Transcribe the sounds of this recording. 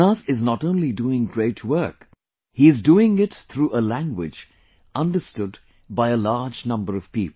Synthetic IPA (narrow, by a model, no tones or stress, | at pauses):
asɪznɔtõʊ̃nliduːɪ̃ŋɡɹeɪtʰwɜ˞k | hiɨzduɪ̃ŋɪtt̪ʰɾuːʔəlæ̃ŋɡwɪ̰d͡ʒ | ʌ̃ndəstʊd | baɪəlɑɹd͡ʒnʌ̃mbəɾʌv̥piːp̩